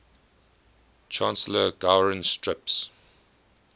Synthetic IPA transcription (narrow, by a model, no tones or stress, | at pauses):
t͡ʃʰãnsələɡ̥aʊɹə̃nstɹɪps